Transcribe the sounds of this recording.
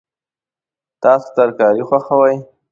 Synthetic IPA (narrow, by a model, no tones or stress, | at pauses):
t̪ɑso̥t̪aɾkɑɾixwaxawaj